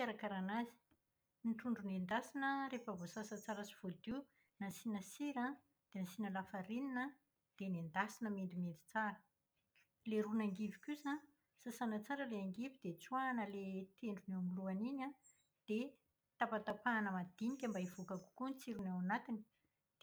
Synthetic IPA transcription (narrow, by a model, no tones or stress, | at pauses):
aɾakaɾanazi̥ | niʈ͡ʂuɳɖ͡ʐunend̪asinəɾefavosasat͡saɾəsi̥v̥od̪i | nasinəsiɾa | d̪̥enasinəlafaɾininə | d̪̥enend̪asinəmend̪imend̪i̥t͡saɾə | leɾunaŋɡivikʲusa | sasanət͡saɾəleaŋɡivid̪et͡swanəlet̪eɳɖ͡ʐunewamiluaniɲa | d̪̥e | t̪apat̪apaːnəmad̪inikʲəmbaivukaku̥kunt͡siɾunawanat̪ini̥ | d̪̥